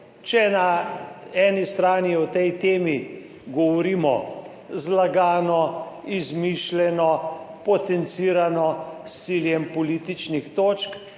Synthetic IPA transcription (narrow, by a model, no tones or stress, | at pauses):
t͡ʃɛna | ɛːnist̪ɾaːniɔt̪ɛjt̪eːmi | ɡɔʋɔɾiːmɔ̰ | zlaɡaːnɔizmiʃlɛnɔpɔt̪ɛnt̪siɾanɔsːiljɛmpɔliːt̪it͡ʃnixt̪oːt͡ʃk